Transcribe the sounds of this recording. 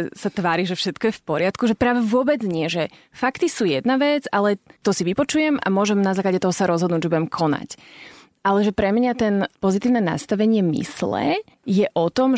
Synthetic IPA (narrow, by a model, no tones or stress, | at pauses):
sat̪ʋaːɾiʒɛfʃɛt̪kɔjɛfpɔɾɪat̪kuʒɛpɾaːʋɛʋʊɔbɛd͡zɲɪɛʒɛ | fakt̪isuːjɛd̪naʋɛd͡zalɛt̪ɔsiʋipɔt͡ʃujɛma̰mʊɔʒɛmnazaːklaɟɛt̪ɔɦɔsaɾɔzɦɔd̪nuːɟʒɛbuɟɛmkʰɔna̰c | alɛʒɛpɾɛmɲat̪ɛnpɔzit̪iːʊnɛna̰st̪aʋɛɲɪɛmḭslɛ̰ | jɛʔɔt̪ɔm